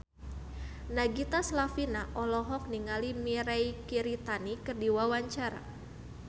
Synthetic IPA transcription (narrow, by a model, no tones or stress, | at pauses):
naɡit̪aslafinaʔɔlɔɦɔk̚niŋalimiɾajkiɾit̪anikərdiwawaɲt͡ʃaɾa̰